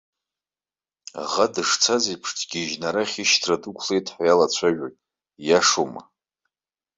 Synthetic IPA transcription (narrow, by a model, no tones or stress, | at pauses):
a̰ʁadɨʂt͡sʰazipʰʂtʰɡʲiʒnaɾaχʲiʃtʰradukʷʰlejtʰʼħajalat͡ɕʷʰaʒᶣakʲʼ | jaʂoma̰